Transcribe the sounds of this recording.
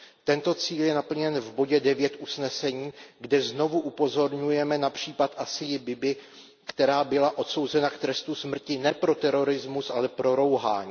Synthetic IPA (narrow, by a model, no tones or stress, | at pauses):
t̪ɛnt̪o̞t͡siːljɛnapl̩ɲɛnvbo̞ɟɛdɛvjɛt̪ʔusnɛsɛɲiːɡdɛzno̞vuʔupo̞zo̞ɾɲujɛmɛnapr̝̥iːpat̪ʔasɪjɪbɪbɪ | kt̪ɛɾaːbɪlaʔo̞t̪so̞wzɛnakt̪ɾɛst̪usmr̩cɪnɛpɾo̞t̪ɛɾo̞ɾɪzmusʔalɛpɾo̞ɾo̞wɦa̰ːɲiː